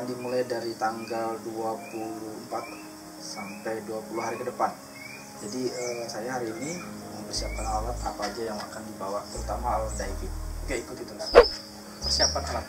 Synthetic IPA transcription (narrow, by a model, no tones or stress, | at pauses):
ndimulajdaɾit̪aŋɡalduapulʊhəmpat̪̚ | sampajduapuluɦaɾikədəpan | d͡ʒadiəsajaɦaɾiːni | məmpərsiap̚kanalalat̪a̰paːd͡ʒajaŋakandibawat̪əɾut̪amaaladaikit̪ɡaikʊt̪̚it̪unda | pərsiapat̪a̰lat̪